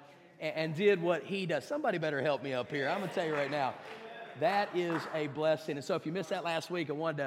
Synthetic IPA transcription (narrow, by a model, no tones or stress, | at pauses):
ʔɨ̃ndɪd̚wʌt̚hidʌz̥sʌ̃mbɑɾibɛɾə˞hɛlˠp̚miʌphiɹãɪmɡʌnɨtʰɛlˠjɨɹaɪtⁿnaʊðɨɾɪzɨblɛsɪ̃ŋɨ̃nsoʊəfjɨmɪsðɨtˡlæst̚wikawɑ̃nd